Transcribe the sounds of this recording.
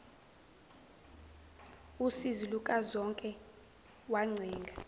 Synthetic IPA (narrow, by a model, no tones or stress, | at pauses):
usizilukʼazɔŋkʼɛ | waŋ͡ǀʱɛːŋɡʱa